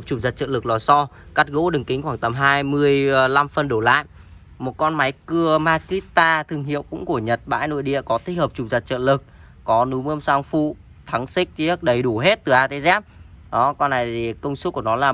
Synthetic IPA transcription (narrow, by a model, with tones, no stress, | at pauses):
p̚t͡ɕu˨˩za˨˩t̚t͡ɕə̰ː˧˨lɨ˨˩k̚lɔ˨˩sɔ˧ | ka˦˥t̚ɣo̰˧˥ɗɨ˨˩ŋkï˨˦ŋ̟xwaː˧˩ŋt̪ə˨˩˦mɦaː˧jmɨ˧əjla˧mfə˨˧˩nɗo˧˩la̰ː˧˨j | mo˨˩t̚kɔ˧nma˨˦jkɨ˧əmaː˧ki˦˥t̪aː˧t̪ʰɨ˧˩əŋɦḭ˧˨ə˨wkʊ̰˧˥ŋ͡mku˧˩əɲə˨˩t̚ɓa̰ː˧˥˨jno̰˧˨jɗḭ˧˨əkɔ˨˦t̪ʰi˦˥həː˨˩p̚t͡ɕu˨˩zə˨˩t̚t͡ɕə̰ː˧˨nlɨ˨˩k̚ | kɔ˨˦nu˨˦məː˧msaː˧ŋfṵ˧˨ | t̪ʰa˨˦ŋsï˦˥k̚t͡ɕi˨˦ə˦˥k̚ɗə˨˦jɗu˧˩ɦe˦˥t̚t̪ɨ˨˩ʔaː˧t̪ʰe˨˦zaː˦˥p̚ɗɔ˨˦kɔ˧nːa˨˩jti˨˩kə˧wŋ͡msu˦˥k̚ku˧˩nɔ˨˦laː˨˩